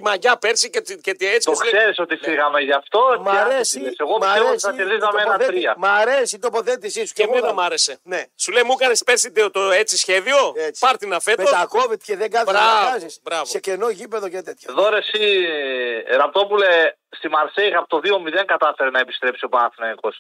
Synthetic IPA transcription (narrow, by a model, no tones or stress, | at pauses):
imɐʝɐpeɾsicecet̪iet͡ssi̥t̪oskese̞ɾiso̞t̪ifiɣɐmeʝɐft̪o̞maɾesieseɣoɐeesɐçeɾðizɐmeenɐɾiɐmɐɾesit̪opo̞θe̞t̪isismenɐmɐɾe̞se̞nesulejmukɐnespeɾsit̪et̪oet͡sisçe̞ðio̞e̥pɐɾt̪inɐfe̞tmeot̪akovet̪ceðeŋɡɐnbɐɐsisbɾɐvsecenoʝipeðocet̪et̪çɐðoɾesi | ɾɐp̚t̪o̞pulest̪imɐɾseixɐpot̪oðio̞miðeŋɡɐt̪ɐfeɾenɐepi̥st̪ɾepsiopanθinɐniko̞s